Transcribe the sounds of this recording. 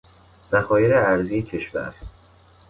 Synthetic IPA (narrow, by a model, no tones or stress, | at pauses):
z̥æxɒːjeɾeæɾzijecʰe̞ʃvæ̰ɾ